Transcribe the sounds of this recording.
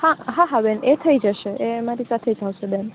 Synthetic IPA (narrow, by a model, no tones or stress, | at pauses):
hãɦãɦãbɛnet̪ʰəid͡ʒəʃeʔemaɾisat̪ʰed͡ʒawʃebɛn